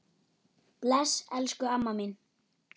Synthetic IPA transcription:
plɛsɛlskʏamːamin

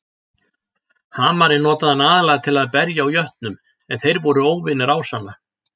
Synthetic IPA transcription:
haːmaɾɪnɔːt̪aðhanaːðalajɣat̪ʰɪlaðpɛɾjaːwjœht̪nʏm | ɛnθejɾvɔɾʏoːwvɪnɪɾaːwsanːa

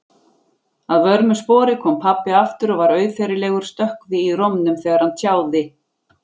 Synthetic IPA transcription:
aðvœɾmʏspɔːɾɪkʰɔːmpʰapːɪaft̪ʏɾɔɣvaɾœːɥfɛɾɪlɛːɣʏɾ̥st̪œhkvɪirɔmnʏmθɛːɣaɾhant̪ʰjaːwðɪ

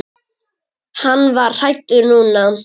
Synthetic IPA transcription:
hanːvaɾ̥r̥ajt̪ːʏɾnuːna

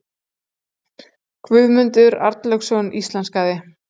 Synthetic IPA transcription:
kʰvʏðmʏnt̪ʏɾa̰ɾt̪lœxsɔnist̪lanskaːðɪ

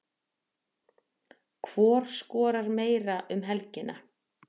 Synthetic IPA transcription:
kʰv̥ɔːɾ̥skɔːɾaɾmeːjɾaʔʏmɦɛlcɪna̰

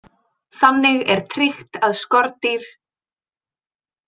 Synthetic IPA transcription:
θamnːɪɣɛɾ̥t̪ʰɾɪxt̪aðskɔɾt̪iɾ̥

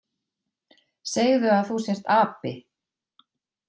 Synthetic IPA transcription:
seːjɣðʏaðθusjɛr̥t̪aːpɪ

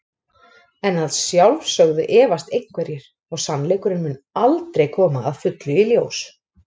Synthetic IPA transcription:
ɛnaðsjawlvsœɣðʏʔɛːvast̪ejŋkvɛɾjɪɾ̥ | ɔɣsanːlejkʏɾɪnmʏnalt̪ɾejkʰɔːmaːðfʏt̪lʏiljoːws

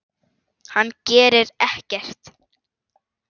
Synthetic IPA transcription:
hanːcɛːɾɪɾɛhcɛr̥t̪

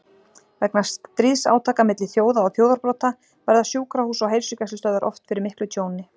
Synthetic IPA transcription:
vɛknast̪t̪ɾiːsa̰ːwt̪ʰaːkamɪt̪lɪθjoːwðaɔɣθjoːwðaɾpɾɔwt̪a | vɛɾðasjuːkɾahuːsɔwɦejɾ̥sʏcaslʏst̪œðʏɾʔɔ̰ft̪fɪɾɪɾmɪhklʏt̪ʰjoːwnɪ

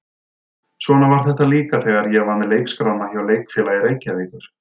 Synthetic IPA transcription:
svɔːnavaɾ̥θɛht̪aliːkaθɛːɣaɾjɛɣvanmɛlejkskɾawnaθjawleːjkfɛːlajɪɾejcɪavɪkʏɾ̥

